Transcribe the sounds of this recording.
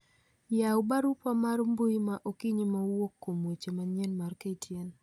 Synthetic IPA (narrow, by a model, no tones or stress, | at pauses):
jaʊbaɾupamaɾmbojimaʔokiɲimawokːomwet͡ʃemaɲenmarketʰjen